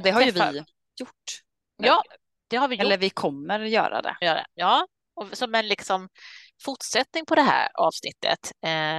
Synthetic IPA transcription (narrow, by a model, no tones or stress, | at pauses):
d̪ɛɦaɾjjəvɪ | jʊʈː | jɑː | d̪̥ɛhaɾvɪjɛlːəɾvɪkʰɔmːəɾjœ̰ːɾa̰d̪ɛ̰jœːɾd̪ɛ̰jɑː | ɔsɔmɛnlɪksɔm | fʊʈʂɛt̪nɪŋpʰɔd̪ɛɦæ̰ːɾɑ̰ːvsnɪt̪ʰːə̰t̪ː